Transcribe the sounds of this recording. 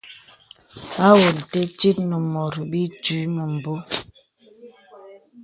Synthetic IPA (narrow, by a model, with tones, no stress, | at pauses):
a˦wo˨n̩˨te˦t͡ʃi˦t̚nə˨mo˨ɾbi˦ti˨˦nə˨m̩˨bo˦